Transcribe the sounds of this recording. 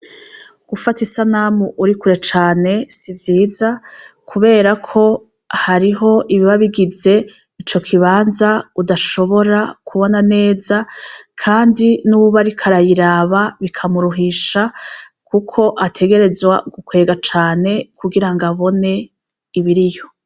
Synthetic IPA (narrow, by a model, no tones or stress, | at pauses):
ɡ̥ufatisanamuʔuɾikuɾe̞t͡ʃaːne̞sivjiːzakʰuβe̞ːɾakʰo̞ | haɾiɦo̞ʔiβiβaβiɡize̞ | it͡ʃo̞kʰiβaːnzaudaʃo̞βo̞ɾakʰuβo̞nane̞ːzakʰaːndinuβaɾikʰaɾajiɾaβaβikʰamuɾuɦiʃa | kukʰo̞ʔatʰe̞ɡe̞ɾe̞zwaɡukwe̞ːɡat͡ʃaːne̞kuɡiɾaŋɡaβo̞ne̞ | iβiɾijo̞